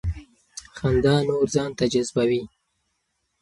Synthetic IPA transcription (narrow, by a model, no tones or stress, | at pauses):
xand̪ɑnoɾzɑːnt̪ad͡ʒazbawi